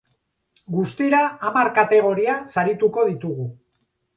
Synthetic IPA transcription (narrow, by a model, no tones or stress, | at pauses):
ɡust̪iɾaːmaɾkat̪e̞ɣ̞o̞ɾiasaɾit̪uko̞ðit̪uɣu